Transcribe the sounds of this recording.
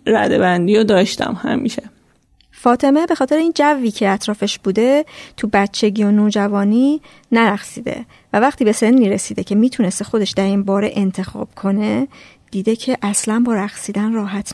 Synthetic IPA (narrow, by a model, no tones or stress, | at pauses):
ɾæ̰d̪ḛbænd̪iːjod̪ɒːʃt̪æ̰mhæ̰mḭːʃe | fɒːt̪ʰe̞mebe̞xɒːt̪e̞ɾeiːnd͡ʒævːiːcʰe̞æt̪ʰɾɒːfe̞ʃb̥uːd̪e̞t̪ʰubæt̪t͡ʃʰe̞ɟio̞noːd͡ʒævɒːniː | næɾæɣsiːd̪ḛ | vævæχt̪ʰiːbe̞se̞nniːɾesiːd̪e̞cʰe̞miːt̪ʰunest̪exo̞d̪e̞ʃd̪æɾinbɒːɾe̞ʔent̪ʰe̞xɒ̰ːb̥kʰo̞ne̞ | d̪̥iːd̪e̞cʰeʔæslænbɒːɾæɣsiːd̪ænrɒːɦæt̪ʰ